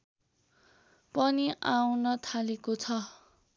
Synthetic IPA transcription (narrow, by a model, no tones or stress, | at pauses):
pʌniʔawnʌt̪ʰalekot͡sʰʌ